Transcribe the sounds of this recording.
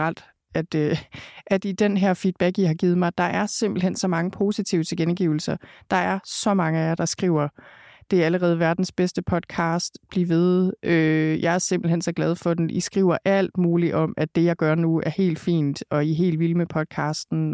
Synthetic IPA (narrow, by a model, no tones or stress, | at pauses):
ʁɑl̰d̥ | æd̥øʔæd̥id̥enɦæɐ̰fiːd̥̚b̥æɡ̥ihɑ̈ɡ̥iːð̞̩ˠmɑ̈ɪd̥ɑ̈ʔæɐse̝m̰b̥l̩ɦensɒ̽mɑ̈ŋəpʰo̝ːsit͡sʰiʊ̰ət͡sʰe̝ɡ̥enɡ̥iʊl̩sɐd̥ɑ̈æɐsɒ̽mɑ̈ŋəæjɑ̈ɪd̥ɑ̈sɡ̥ʁiʊ̰ɐd̥e̝ææləʁɛːð̞̩ˠʋæɐd̥n̩sb̥esd̥əpʰɒ̽d̥̚kʰɑ̈ːsd̥b̥liʋe̝ð̞ˠʔøjʔɑ̈ɪæɐse̝mb̥l̩ɦensɒ̽ɡ̥lɛð̞ˠfɒ̽d̥enʔisɡ̥ʁḭʊ̰ɐʔæl̰d̥muːliʔɒ̽mæd̥e̝jɑ̈ɪɡ̥ɶɐnuæɐhe̝̰ːld̥fḭːnd̥ɒ̽iɦe̝̰ːldʋilmepʰɒ̽d̥̚kʰɑ̈ːsd̥n̩